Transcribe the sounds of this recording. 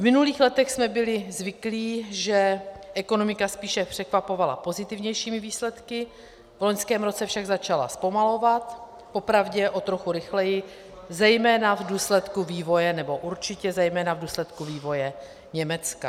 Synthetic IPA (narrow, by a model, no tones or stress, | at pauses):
vmɪnuliːxlɛt̪ɛxsmɛbɪlɪzvɪkliːʒɛʔɛko̞no̞mɪkaspiːʃɛpr̝̥ɛkvapo̞vala̰po̞zɪt̪ɪvɲɛjʃiːmɪviːslɛt̪kɪ | vlo̞ɲskɛːmɾo̞t͡sɛfʃaɡzat͡ʃala̰spo̞malo̞vat̪ | po̞pɾavɟɛʔo̞t̪ɾo̞xuɾɪxlɛjɪ | zɛjmɛːnavduːslɛt̪kuviːvo̞jɛnɛbo̞ʔuɾt͡ʃɪcɛzɛjmɛːnavduːslɛt̪kuviːvo̞jɛ | ɲɛmɛt͡ska